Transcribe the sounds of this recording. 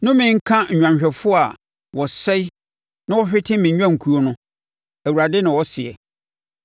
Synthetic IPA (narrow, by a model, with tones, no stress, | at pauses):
nʊ̃˦mɪ̃˨˦ŋ̩˦kʰã˦ɲ̩˨ɲᶣã˨mɕᶣɛ˨fʊ˦a˨ | wɔ˨sɛ˦ | nã˦wɔ˦ɕᶣɪ˦tʰɪ̃˦mɪ̃˨˦ɲᶣ˦ã˦˨ŋ̩˨kʰu˨˦o˦nʊ̃˦ | æ˨wu˨ɾa˨dɛ˦nɪ̃˨wɔ˦sɪ˨ɛ̰˨